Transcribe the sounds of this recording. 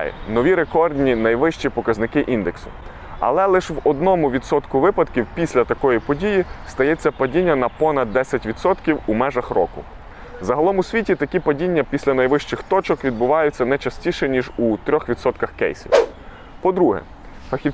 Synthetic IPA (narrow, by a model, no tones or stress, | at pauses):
nɔʋʲiɾekɔrd̪ʲnʲinɐjʋɪʃt͡ʃipɔkɐznɪkɪʔind̪eksʊ̥̰ | ɐ̰lˠɛlˠɪʃʋɔd̪nɔmʊʋʲid̪sɔt̪kʊʋɪpɐd̪kʲiwpʲisʲlʲɐt̪ɐkɔjipɔdʲijist̪ɐjɛt͡sʲːɐpɐdʲinʲːɐnɐpɔnɐd̪ːɛsʲɐtʲʋʲid̪sɔt̪kʲiwumɛʒɐxrɔ̰kʊ̰ | zɐɦɐlˠɔmʊsʲʋʲitʲit̪ɐkʲipɐdʲinʲːɐpʲisʲlʲɐnɐjʋɪʃt͡ʃɪxt̪ɔt͡ʃɔkʋʲid̪̚bʊʋɑjʊt͡sʲːɐnɛt͡ʃɐsʲtʲiʃɛnʲiʒut̪ɾʲɔxʋʲid̪sɔt̪kɐxkɛ̰jsʲḭw | pɔd̪ɾuɦɛ̰ | fɐxʲi